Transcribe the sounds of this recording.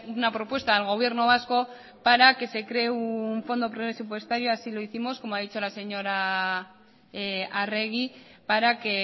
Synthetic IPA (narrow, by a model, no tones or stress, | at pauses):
unapɾo̞pwe̞st̪aelɣ̞o̞β̞je̞ɾnoβ̞asko̞ | paɾake̞se̞kɾe̞ːuɱfo̞nd̪o̞pɾesup̬we̞st̪aɾjoasilo̞iθimo̞sko̞moaðit͡ʃo̞lase̞ɲo̞ɾa | are̞ɣipaɾake̞